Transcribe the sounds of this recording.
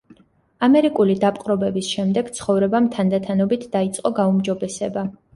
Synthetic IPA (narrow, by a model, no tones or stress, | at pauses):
amɛɾikʼulid̪apʼqʼɾɔbɛbisʃɛmd̪ɛɡ̥t̪sʰχɔvɾɛbamt̪ʰand̪at̪ʰanɔbit̪ʰd̪ait̪sʼqʼɔɡaumd͡ʒɔbɛsɛba